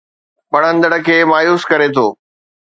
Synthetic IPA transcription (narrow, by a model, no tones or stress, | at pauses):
ɓɐɽ̤̃ə̃nd̪əɽə̆kʰeːmaːjuːskɐɾet̪ʰoː